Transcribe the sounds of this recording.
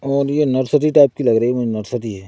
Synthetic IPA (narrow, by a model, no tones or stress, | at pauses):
ɔːɾjenɔɾsəʈ̪iʈaːɪp̚kilɐɡɾəimʊd͡ʒʱenəɾsəʈ̪iɦɛː